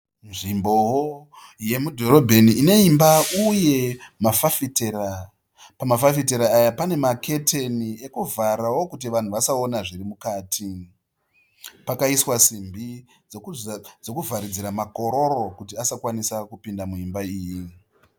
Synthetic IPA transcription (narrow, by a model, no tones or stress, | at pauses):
nʐimbo̞wo | je̞mudʱo̞ɾo̞bʱe̞niːne̞imbauje̞mafafitera | pamafafit̬eɾaːjapane̞makʰe̞tʰe̞nie̞kuvaɾawo̞kut̬iʋan̤uʋasaonaʐirimukaːtʰi | pakaiswasimbi | d͡zokd͡zo̞kuvʱaɾid͡ziɾamako̞ɾo̞ɾo̞kutiasakwanisakupindamuimbaiːji